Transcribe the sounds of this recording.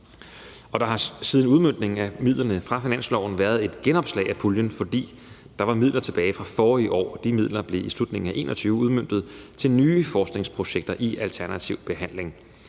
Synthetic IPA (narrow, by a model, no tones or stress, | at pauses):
ɒ̽d̥ɑ̈ɦɑ̈siːðˠn̩uð̞ˠmøn̰d̥ne̝ŋŋ̩æmið̞̰ˠlɐnəfʁɑ̈finæn̰slɒʊn̩ʋæːɐð̞ˠe̝d̥ɡ̥enɒ̽b̥slɛ̰ɪæpʰuljənfɒ̽d̥ḭː | d̥ɑ̈ʋɑ̈mið̰ˠlɐt͡sʰe̝b̥ɛːɪfʁɑ̈fɒːiʔɒ̰ːd̥imið̰ˠlɐb̥le̝islud̥ne̝ŋ̩æʔe̝̰ːnʔɒt͡sʰyːʊəuð̞ˠmøn̰d̥ð̞̩ˠt͡sʰe̝lnyːfɒːsd̥ne̝ŋspʰʁo̝ɕeɡ̥̚d̥ɐʔiʔælt͡sʰæɐnæt͡sʰiʊb̥e̝ɦæn̰le̝ŋ